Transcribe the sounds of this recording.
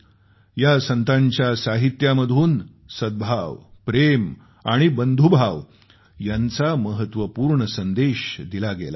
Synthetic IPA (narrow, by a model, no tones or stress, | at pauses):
jasənt̪aɲt͡ɕjasaɦit̪jaməd̪ʱuːn | səd̪̚bʱaʋpɾem | aɽ̃ibənd̪ʱubʱaʋ | jant͡saməɦət̪ʋəpuːɾɳəsənd̪eɕd̪ilaɡḛla̰